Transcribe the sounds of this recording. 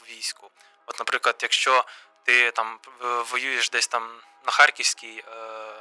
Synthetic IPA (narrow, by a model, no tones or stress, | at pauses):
ʋʲijsʲkʊ | ɔt̪nɐpɾɪklˠɐd̪̥jɐkʃt͡ʃɔ | t̪ɪt̪ɑmʋɔjujeʃd̪ɛsʲt̪ɑm | nɐxɑrkʲiwsʲkʲij